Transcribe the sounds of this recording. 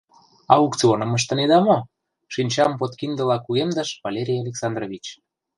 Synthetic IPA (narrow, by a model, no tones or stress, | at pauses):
ɑukt͡sionə̆mə̆ʃ̬t̪ə̆ned̪ɑmo | ʃinʲt͡ɕɑmpot̪kind̪ə̆lɑkuɣemd̪ə̆ʃβalʲeɾʲijalʲeksɑnd̪rovʲit͡ɕ